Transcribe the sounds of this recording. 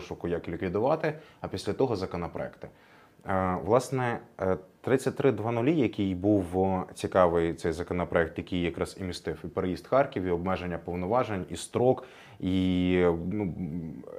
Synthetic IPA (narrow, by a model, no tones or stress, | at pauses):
ʃʊkʊjɐklʲikʋʲid̪ʊʋɑt̪ɪɐpʲisʲlʲɐt̪ɔɦɔzɐkɔnɔpɾɔ̰ɛ̰kt̪ɪ̥ | ʋlˠɑsnɛt̪ɾɪt͡sʲːɐt̚ʲt̪ɾɪd̪ʋɑnʊlʲijɐkʲijbuwt͡sʲikɑʋɪjt̪sɛjzɐkɔnɔpɾɔɛk̚t̪jɐkʲijːɐkɾɑz̥imʲist̪ɪwipeɾejizd̪xɑrkʲiwiɔbmɛʒenʲːɐpɔwnɔʋɑʒenʲist̪ɾɔk | i | nu